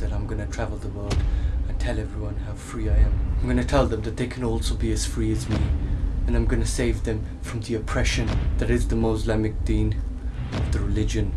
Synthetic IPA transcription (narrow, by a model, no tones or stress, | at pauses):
ɨɾãɪ̃mɡʌnɨtʰɹ̥ævl̩ˠðəwɜ˞lˠdɨ̃ntʰɛlˠɛvɹiwʌ̃nhəv̥fɹiaɪɨ̃maɪ̃mɡʌnɨtʰɛlˠðə̃mðɨt̪̚ðeɪkʰɨ̃nɔlˠsoʊbiɨz̥fɹiɨzmiɨ̃nãɪ̃mɡʌnɨseɪvðɨ̃ɱ | fɹʌ̃mðiɨpʰɹ̥ɛʃɨ̃nðɨɾɨzðəmoʊzlɛmɨk̚d̪̥ĩn | ʌvðɨɹɨlɪd͡ʒɨ̃n